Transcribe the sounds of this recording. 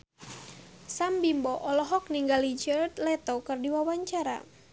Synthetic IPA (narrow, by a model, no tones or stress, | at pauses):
sambimbɔʔɔlɔɦɔk̚niŋɡalid͡ʒərt̪lɛt̪ɔkɨrdiwawaɲt͡ʃaɾa̰